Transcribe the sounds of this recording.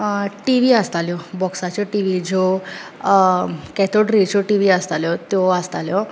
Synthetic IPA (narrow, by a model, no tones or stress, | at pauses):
ʈiʋiəst̪aljɔbɔksat͡ɕɔʈiʋid͡zɔ | kɛt̪ʰoɽɾit͡ɕɔʈiʋiəst̪aljɔt̪jɔəst̪aljɔ